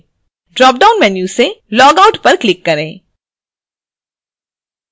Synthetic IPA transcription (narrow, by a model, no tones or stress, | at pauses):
ɖɾɔːp̚ɖaːʊnmɛːnjuselɔːɡaʊʈpɐɾklɪkːɐɾẽː